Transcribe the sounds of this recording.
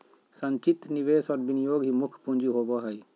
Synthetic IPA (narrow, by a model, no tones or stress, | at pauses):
sɐnt͡ʃit̪niʋesɔɾbinijoːɡɦimukʰpund͡ʒiɦobɔɦaj